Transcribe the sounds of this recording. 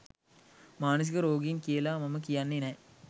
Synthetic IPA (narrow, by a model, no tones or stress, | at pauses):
maːnɐs̬ikɐɾoːɡinkeːlaːmɐmɐkijɐnːine